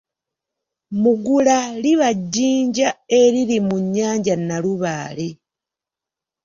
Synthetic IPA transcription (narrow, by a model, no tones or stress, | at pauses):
muɡulaliβaɟːiːɲɟae̞lilimuɲːaːɲɟanaluβaːle